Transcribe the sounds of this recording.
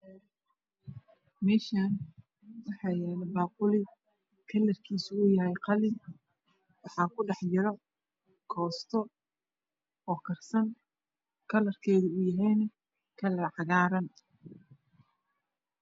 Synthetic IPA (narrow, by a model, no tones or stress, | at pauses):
mɛːʃaːn | wɑħɑːjɛːlɛbaːqʊlɪ | kʰɐlɐrkʰiːsʊːjɐɦɛjqɑlɪn | wɑħɑːkʰʊɖɑħjɪɾɐ | kʰɔːst̪ʰɔ | ɔːkʰɐrsɐn | kʰɐlɐrkʰɛːðʊʊːjɐɦɛjnɐ | kʰɐlɐrʕɑɣaːɾɐn